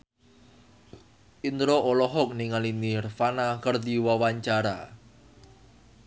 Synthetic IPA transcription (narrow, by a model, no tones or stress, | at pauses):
ʔind̪ɾoʔolɔɦɔk̚niŋalinirfanakərd̪iwawaɲt͡ʃaɾa̰